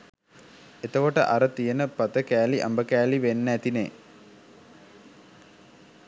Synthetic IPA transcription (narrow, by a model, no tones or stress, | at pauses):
et̪əkoʈəʔɐɾət̪ijənəpɐt̪əkæːliʔɐ̰mbəkæːliʋenːæt̪inḛː